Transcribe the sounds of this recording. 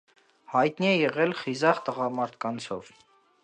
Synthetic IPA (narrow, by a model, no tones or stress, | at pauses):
hɑjt̪niɛjɛʁɛlχizɑʁt̪əʁɑmɑɾt̪ʰkɑnt͡sʰɔv